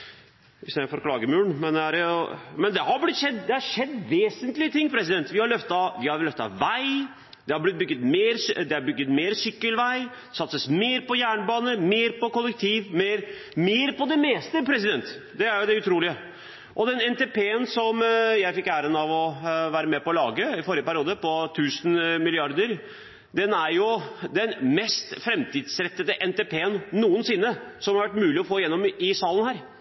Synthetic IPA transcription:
ɪst̪eːd̪əfɔɾkʰlɑːɡəmʉːɳmɛnd̪ɛæɾɛʊmɛnd̪ɛhɑɾblɪt̪ːʂɛd̪ːd̪ɛhɑɾʂɛd̪ːʋeːsənt̪lɪət̪ʰɪŋːpʰɾɛsɪd̪ɛnt̪ʋɪhɑɭœft̪ɑʋɪhɑɾlœft̪ɑ̰ʋæɪ | d̪̥ɛhɑɾblɪt̪̚bʏɡːət̪meːɾsd̪ɛæɾbʏɡːət̪meːɾsʏkːəlʋæɪ̥ | sɑt̪səsmeːɾpɔjæːɳbɑːnəmeːɾpɔkɔlːək̚t̪ʰiːʋmeːɾ | meːɾpɔd̪ɛmeːst̪əpʰɾɛsɪd̪ɛnt̪d̪ɛæɾjʊd̪ɛʉt̪ʰɾuːlɪə | ʔɔd̪ɛnɛnt̪eːpeːənsɔmjæɪfɪkːæːɾənɑʋɔʋæːɾəmɛpɔːlɑːɡəɪfɔɾjəpæɾɪuːd̪əpɔt̪ʰʉːsənmɪlɪɑɾd̪əɾ | d̪ɛnæɾjʊd̪ɛnmɛst̪fɾɛmt̪ʰiːd̪sɾɛt̪ːəd̪əʔɛnt̪epʰeːənːuːənsɪnːəsɔmhɑɾʋæʈːmʉːlɪɔfoːjɛnːɔmɪsɑːlənhæːɾ

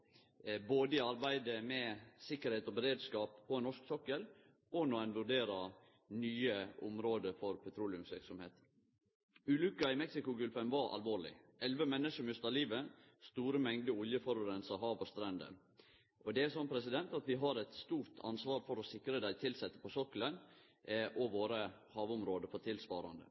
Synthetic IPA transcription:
boːd̪əɪɑɾbæɪd̪əmɛsɪkːəɾheːt̪ɔbɛɾeːd̪skɑːpʰːɔɛnɔʂksɔkːəl | ɔnɔænʋʉɖeːɾɑ | nyːəʔʊmɾoːd̪əfɔɾpʰɛt̪ʰɾuːlɪʉmsʋɪɾksɔmhḛːt̪ | ʉːlʉkːɑɪmɛksɪkʊɡʉlfɛmʋɑɾʔɑ̰lʋoːɭɪ̰ʔɛlʋəmɛnːəʂəmʉst̪ɑliːʋə | st̪uːɾəmɛŋd̪əʊljəfɔɾɔɾɛnsɑɦɑːʋɔst̪ɾɛnd̪ə̰ | ʔɔd̪ɛæsɔnpʰɾɛs̬ɪd̪ɛnt̪ɑt̪ʋɪɦɑɾɛt̪st̪uːɾt̪ʰɑ̰nsʋɑːɾfɔɾɔsɪkɾəd̪æɪt̪ʰɪlsɛt̪ːə̥pɔsɔkːələn | ʔɔʋoːɾəhɑːʋʊmɾoːd̪əfɔt̪ʰɪlsʋɑːɾɑ̰nd̪ə̰

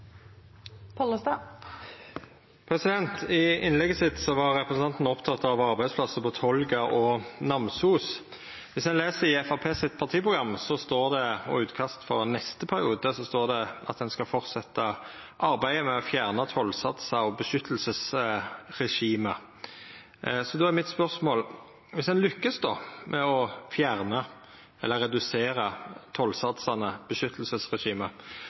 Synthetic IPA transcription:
pʰɔləst̪ɑ | pʰɾɛsɪd̪ɛnt̪ɪɪnlɛɡəsɪt̪sɔʋɑʁːɛpɾəsn̩ɑnt̪n̩ɔpt̪ʰɑt̪ːɑʋɑʁbæɪd̪spʰlɑsəpɔt̪ʰɔlɡɑʔɔnɑmsuːs | ʋɪshɛnleːsəɾɪɛfɑpʰeːsɪt̪pʰɑʁt̪ʰiːəpʰʁʊɡɾɑmːsɔst̪oːʁd̪ɛɔ̰ʉːt̪kʰɑst̪fɔʁnɛst̪əpʰæʁɪuːd̪əsɔst̪oːʁd̪ɛɑ̰t̪̚d̪ɛnskɑfɔʁt̪sɛt̪ːə | ʔɑɾbæɪəmɛɔfjæːʁnət̪ʰɔlsɑt̪sɑɔbəʃʏt̪ʰːəl̩səs | ɾɛʂiːmə | sɔd̪ɔæɾmɪt̪spœʁsmoːl | ʋɪsɛnlʏkːəsd̪ɔmʔɛɔfjæːʁnə | ɛlːəɾːɛd̪ʉseːɾət̪ʰɔlsɑt̪sɑnəb̥əʃʏt̪ʰːlsəsʁɛʃiːmə

